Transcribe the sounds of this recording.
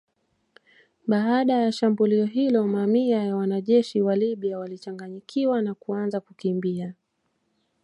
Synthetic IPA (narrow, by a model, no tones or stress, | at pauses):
ɓaaɗajaʃambuliɔɦilɔmamiajawanaʄɛʃiwaliɓiawalit͡ʃaŋɡaɲikʰiwanakuanzakukimbia